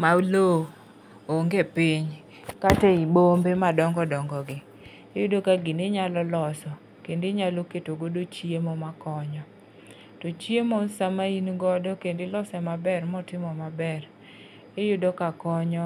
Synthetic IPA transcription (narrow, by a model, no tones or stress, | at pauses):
maulo | oŋɡepiɲ | kateibombemadɔŋɡɔdɔŋɡɔɡɪ | ɪjʊdokaɡɪndeɲalɔlɔsɔ | kendeɲaloketoɡodot͡ʃiemɔmakɔɲɔ | tot͡ʃjemosamainɡɔdɔkendɪlɔsɛmabɛrmɔtɪmɔmabɛr | ɪjʊdokakɔɲɔ